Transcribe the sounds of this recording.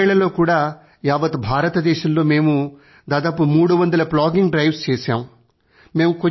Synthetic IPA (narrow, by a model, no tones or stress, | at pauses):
ɭɐlo̞ːkuːɽaː | jaːʋɐt̪bʱaːɾɐt̪ɐd̪ɛːʃɐmlo̞ːme̞ːmu | d̪aːd̪aːpumuːɽuʋɐnd̪ɐlɐplaːɡiŋɡɖɾɐjʋst͡ʃeːsaːm | me̞ːmuko